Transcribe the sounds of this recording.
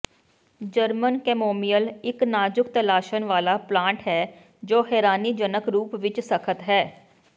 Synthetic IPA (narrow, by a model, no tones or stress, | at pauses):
d͡ʒəɾmənkɛːmoːmijəlɪknaːd͡ʒʊk̚t̪əlaːʃənʋaːlaːplãːɳʈɦɛː | d͡ʒoːɦɛːɾaːniːd͡ʒənəkɾuːpʋɪt͡ʃsəkʰət̪ɦɛː